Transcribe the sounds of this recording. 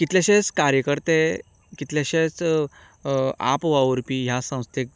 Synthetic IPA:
kit̪ljaɕẽt͡skaɾjəkəɾt̪e | kit̪ljaɕet͡s | a̰pʋaʋɾpiːɦjasə̃w̃st̪ʰek̚

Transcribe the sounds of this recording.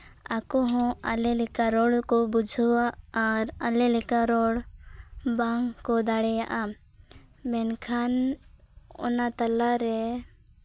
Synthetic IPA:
akɔɦɔ̃a̰lɛlɛkaɾɔɽkɔbud͡ʒʱwaʔːɾalɛlɛkaɾɔɽ | baŋkɔd̪aɽɛjaʔa | mɛnkʰan | ɔ̰nat̪alaɾɛ

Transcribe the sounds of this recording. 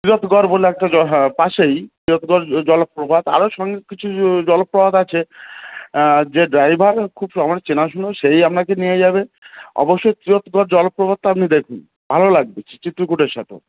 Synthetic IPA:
t̪ɾiɾot̪ɡɔɾboleɛk̚ʈaɔpaʃejt̪ɾiɾot̪ɡɔɾd͡ʑɔlopːɾobʱad̪a̰ɾoʃɔŋɡekit͡ɕʰud͡ʑɔlopːɾobʱad̪at͡ɕʰe | d͡ʑeɖɾajbʱaɾkʰubʃɔmanet͡ɕenaʃ̬unoʃejapnakenijad͡ʑaβeɔ̰boʃːojt̪ɾiɾot̪ɡɔɾd͡ʑɔlopːɾobʱad̪̚t̪oamnid̪ekʰun | bʱalolaɡ̚bet͡ɕʰi̥t͡ɕit̪ːɾukuʈeɾʃa̰t̪ʰo̰

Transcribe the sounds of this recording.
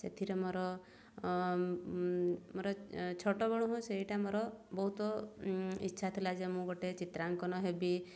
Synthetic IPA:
sḛt̪ʰiɾemoɾɔ | moɾɔt͡ʃʰɔʈɔbɔɽ̃uɦũseɦiʈamoɾɔbɔɦut̪ɔ | itːʃʰat̪ʰilad͡ʒemũɡɔʈet͡ʃit̪ɾaŋkɔnɔɦebi

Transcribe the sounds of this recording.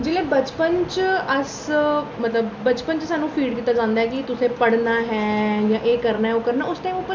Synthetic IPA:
d͡ʒeːleːbət͡ʃpənt͡ʃəsmət̪ləbːət͡ʃpənt͡ʃsaːnũːpʰiːɖkiːt̪aːd͡ʒãːnd̪aːɦɛːkɪt̪ʊsẽːpəɽnaːɦɛːjãːʔeːkəɾnaːɦɛoːkəɾnaːʊst̪ẽːʊpːə

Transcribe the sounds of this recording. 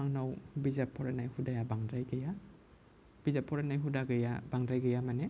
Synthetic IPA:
aŋnawbizapʰɔɾenajhudajabaŋdɾajɡaja | b̥izapʰːɔɾenajɦudaɡɐjabaŋdɾajɡajamane

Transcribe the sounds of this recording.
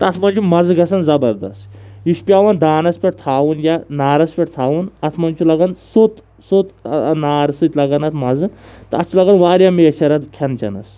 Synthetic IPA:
t̪ɐɐt̪ʰmɐnʲt͡ʃumɐzɡɐsɐnzɐbɐɾd̪ɐ̰st̪jiʃpʲaːʋɐnd̪aːnɐspʲeʈ̚t̪ʰaːʋunjanaːɾɐspʲeʈ̚t̪ʰaːʋunɐt̪ʰmɐnt͡ʃʰulɐɡɐnsot̪ | sot̪naːɾsɨt̪lɐɡɐnɐt̪ʰmɐd͡zɨt̪ɐɐt̪t͡ʃulaɡɐnʋaːɾjameːt͡ʃʰɐɾɐt̪kʲʰɐnt͡ʃɐ̰nɐ̰s

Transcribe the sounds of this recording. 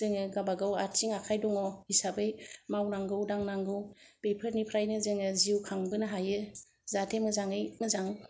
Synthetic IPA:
zɯŋɯɡabaɡawaɾsiŋakʰajdɔŋɔisabɯjmawnaŋɡɯwdaŋnaŋɡɯwpejpʰəɾnipʰɾajnɯzɯŋɯziwkʰaŋbɯnɯɦajɯ | zatʰemɯzaŋɯjmɯzaŋ

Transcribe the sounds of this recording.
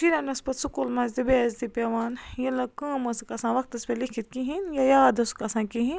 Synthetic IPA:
ʃiɾɐnɐspɐt̪sukulmɐnzd̪ibeːzd̪ipʲeʋaːnjɐlɐkəːmɐskɐsãːʋɐk̚t̪ɐspelikʰit̪̚kiɦinjajaːd̪ɐskɐsãːkiɦĩn

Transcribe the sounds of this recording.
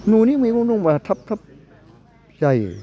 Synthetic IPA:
nuːniːmːmunuŋbat̪ʰap̚t̪ʰap̚ | jaj

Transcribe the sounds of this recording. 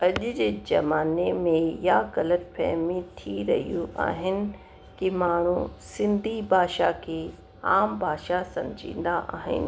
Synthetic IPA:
ɐʄʊd͡ʑeːd͡ʑɐ̰maːnemẽjaɡɐlət̪̚pʰɛ̰ɦmĩt̪ʰiɾɐ̰ɦijũʔa̰ːɦɪnɪ̆ | kimaːɳ̤ũsɪ̃nd̪ʱibʱaːʃakʰeː | aːmbʱaːʃasɐ̃md͡ʑʱḭ̃ːnd̪aʔa̰ːɦɪ̰nɪ̆

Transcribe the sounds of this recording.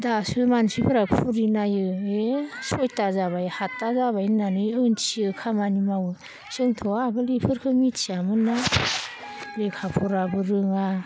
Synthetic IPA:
dasɯmansipʰɯɾakpʰuɾinajɯesɔjtazaβajhatːazabajnanɯjɯnsiɯkʰamanimawɯ | sɯŋtʰɔaɡɯlipʰɯɾkʰɯmitsiamɯnːa | lekʰapʰuɾabɯɾɯŋa

